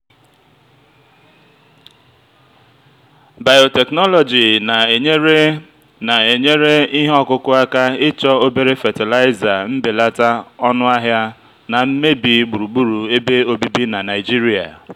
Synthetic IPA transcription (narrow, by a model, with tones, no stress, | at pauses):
ba˨jo˨tɛ˨knɔ˦lɔ˨d͡ʒi˨na˨˦ | na˨e˨ɲe˦ɾe˦i˦ɦe˦ɔ˨kʊ˦kʊ˦a˦ka˦ɪ˦t͡ʃɔ˦o˦be˦ɾe˦fa˨tɪ˨la˦ɪ˦za˨m̩˦be˨la˦ta˦ɔ˦nʊ˦a˦ɦja˦ | na˨m̩˦me˦bi˨˦ɡ͡bu˨ɾu˨ɡ͡bu˦ɾu˨e˦be˦o˦bi˦bi˦na˨na˨ɪ˨d͡ʒi˦ɾi˦a̰˨